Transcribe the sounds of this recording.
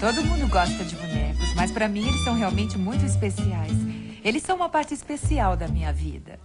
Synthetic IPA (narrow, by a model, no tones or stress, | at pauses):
t̪od̪ʊmũnd̪ʊɡɔst̪ɐd͡ʒɪmimẽkʊsmɐspɾɐmĩelɪsːɐ̃w̃ɦeawmẽnt͡ʃɪmũj̃t̪ʊispesiajselɪsːɐ̃w̃ũmɐpaɾt͡ʃɪːspesiawd̪ɐmĩɲɐvḭd̪ɐ̰